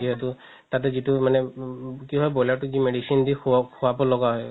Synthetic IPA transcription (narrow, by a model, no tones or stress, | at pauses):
iɦɛtʊ | tat̬ɛzitumanɛkiɦɔjbɔjlatʊzimeɖisindixʰuwabɔlɔɡaɦɔj